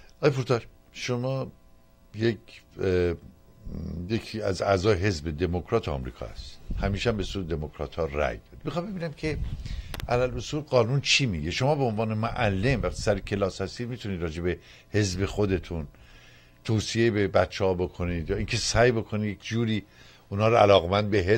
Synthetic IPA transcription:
ɒːjepuɾt̪ʰɒʃ | ʃomɒː | jekʰ | jekʰiæzæzɒːjeɦe̞zbe̞d̪e̞mokʰɾɒːt̪ʰoɒ̰ːmɾḭːkʰɒ̰ːæ̰si̥d̪hæmiːʃæmbesuɾd̪d̪e̞mokʰɾɒ̰ːt̪hɒːɾæ̰jd̪ɒdi̥mixɑːmbe̞biːnæmkʰe̞ | ʔælælosuːlɢɒːnunt͡ʃʰiːmiɡe̞ʃo̞mɒːbeonvɒːnemoʔælːe̞mvæχt̪ʰisæɾekʰe̞lɒːshæst̪iːd̪mit̪ʰuniːd̪ɾɒːd͡ʒe̞be̞ | he̞zbe̞xod̪e̞t̪ʰun | t̪ʰoːsijebebæt̪t͡ʃʰːehɒːbo̞kʰo̞niːd̪jɒːiːnkʰe̞sæjbo̞kʰo̞nid̪jekʰd͡ʒuːɾiː | unhɒːɾoælɒːɣemænd̪̚beɦe

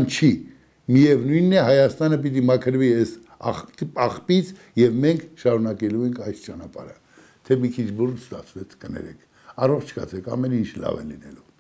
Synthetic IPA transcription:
nt͡ʃʰi | miɛvnujnːɛɦɑjɑst̪ɑnəp̬it̪̬imɑkʰəɾviɛs | ɑ̰χt̪iɑχpit͡sʰ | jɛvmɛŋkʰʃɑɾunɑkɛluɛŋkʰɑjst͡ʃɑnɑpɑ̰ɾə | t̪ʰɛmikʰit͡ʃʰburnst̪ɑ̰t͡sʰvɛt͡sʰkənɛ̰ɾɛkʰ | ɑrɔχt͡ʃʰkɑ̰t͡sʰɛkʰɑ̰mɛnint͡ʃʰlɑ̰vɛ̰linɛ̰lu

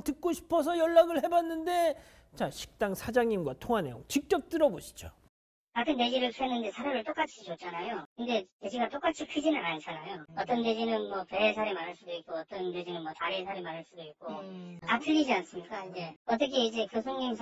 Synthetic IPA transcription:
tɯk̚k͈oɕʰi̥pʰʌsʰʌjʌɭːaɡɯɭhe̞banːɯnde̞ | t͡ɕaɕʰi̥k̚t͈aŋsʰad͡ʑaŋɲimɡwatʰoŋanḛot͡ɕik̚t͡ɕ͈ʌk̚t͈ɯɾʌboɕʰi̥d͡ʑo | kakʰɯnte̞d͡ʑiɾɯɭsʰɦenːɯnde̞sʰaɾeɾɯɭt͈ok͈at͡ɕʰit͡ɕot͡ɕ͈anajokɯnde̞te̞d͡ʑiɡat͈ok͈at͡ɕʰikʰɯd͡ʑinɯnaɭt͡ɕ͈ʰanajoʌt͈ʌnte̞d͡ʑinɯnmʌpeːsʰaɾemaɾɦaɭs͈udoik͈̚oʌt͈ʌned͡ʑinɯnmwʌt͡ɕaɾiesʰaɾemaɾɦaɭs͈udoik̚k͈oatʰɯʎːid͡ʑians͈ɯmɲik͈aije̞ʌt̬͈ʌk̬ʰe̞id͡ʑe̞kɯsʰoŋɲimsʰ

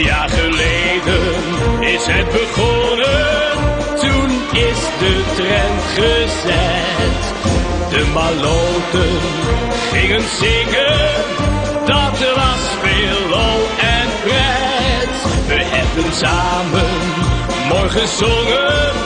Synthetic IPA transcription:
jaːɹχəlejdənɪsɦɛt̚bəχɔnə | tun | ɪsdətrɛntχəzɛ | t | dəmalowtən | χɪŋənzɪŋən | dɑtəɹʋɑsfeːlɔɛnprɛ | tʋəɦɛbənsaːmən | mɔɹχəzɔŋə

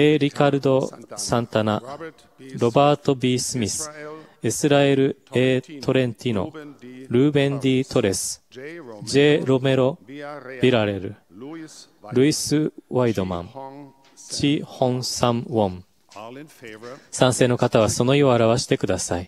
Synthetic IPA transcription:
eːɾʲikaɾɯ̟d̪o̞sãnt̪ana | ɾo̞baːt̪o̞bʲiːsɨmʲisɨ̥esɨɾae̞ɾɯ̟eːt̪ʰo̞ɾẽ̞nt̪ʲino̞̰ɾɯ̟ːbẽ̞nd̪ʲiːt̪o̞ɾe̞sɨ̥d͡ʑe̞ːɾo̞me̞ɾo̞b̥ʲiɾaɾe̞ɾɯ̟̰ | ɾɯ̟isɨβaid̪o̞mã̰ | t͡ɕihõ̞ñsãmwõm | sãɰ̃se̞ːno̞kat̪aβ̞aso̞no̞ioaɾaβaɕi̥t̪e̞kɯ̟d̪asai

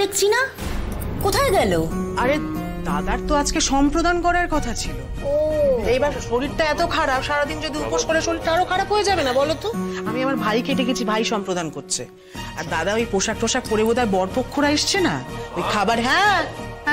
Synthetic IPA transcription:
ekt͡ɕʰina | kot̪ʰaeɡɛloaɾe | d̪ad̪aɾt̪oad͡ʑkeʃɔmpɾod̪ankɔɾaɾkɔt̪ʰat͡ɕʰilo̰ | oejbaɾʃoɾiɾʈaɛt̪okʰaɽapʃaɾad̪ind͡ʑod̪iupoʃkoɾeʃoɾiɾʈaaɾokʰaɾapɦojed͡ʑabenabɔlot̪oamiamaɾbʱajkeɖ̪ekʰet͡ɕʰibʱajʃɔmpɾod̪ankoɾt͡ɕʰḛ | aɾd̪ad̪aojpoʃak̚poʃakpoɾebot̪aɾbɔɽpokʰːoɾaeʃt͡ɕʰenaojkʰabaɾɦɛ̃

